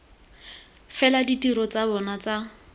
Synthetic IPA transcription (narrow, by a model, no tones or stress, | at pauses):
fɛladitiɾɔt͡sabɔnat͡sa